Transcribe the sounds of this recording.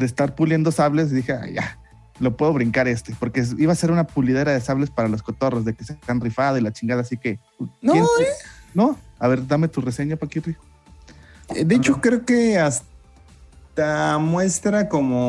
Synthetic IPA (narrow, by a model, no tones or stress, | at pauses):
d̪est̪aɾpulje̞nd̪osaβle̞s̬d̪ixea̰ja̰ | lo̞pwe̞ðoβɾiŋkaɾe̞st̪e̞po̞ɾke̞iβaːse̞ɾunapulið̞e̞ɾaðe̞saβle̞spaɾalo̞sko̞t̪o̞ro̞zðe̞keset̪anrifaðoilat͡ʃiŋɡaðasike̞ | nojenno̞aβe̞ɾd̪ame̞t̪urese̞ɲapakirifo̥ | d̪et͡ʃokɾeokeas | t̪amwe̞st̪ɾakomo